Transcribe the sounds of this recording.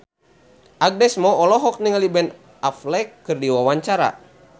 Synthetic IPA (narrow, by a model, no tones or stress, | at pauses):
ʔaɡ̚dɛsmɔːlɔɦɔk̚niŋalibɛn | aflɛkːɨrdiwawaɲt͡ʃaɾa̰